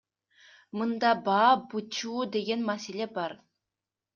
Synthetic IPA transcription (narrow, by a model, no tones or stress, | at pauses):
mɤnd̪ɑbɑbut͡ɕud̪eɡʲenmæselʲebɑr